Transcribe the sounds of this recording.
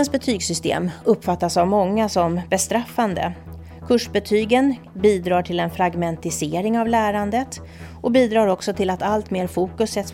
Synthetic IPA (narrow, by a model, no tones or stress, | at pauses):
ənsbɛt̪ʰyːɡsʏst̪ḛːmɵpːfat̪ːasavmɔŋːasɔmbɛst̪ɾafːand̪ə̰ | kʰɵʂbɛt̪ʰyːɡən | biːd̪ɾɑːʈʰɪlɛnfɾaɡmɛnt̪ɪseːɾɪŋavlæːɾand̪ət̪ | ʔɔbiːd̪ɾɑːɾɔksɔt̪ʰɪlat̪alt̪meːɾfuːkɵsɛt̪s